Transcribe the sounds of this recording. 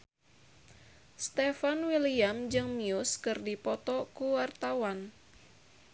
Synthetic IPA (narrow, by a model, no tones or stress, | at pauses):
st̪efanwiliamd͡ʒɨŋmiuskɨrdipɔt̪ɔkuwart̪awan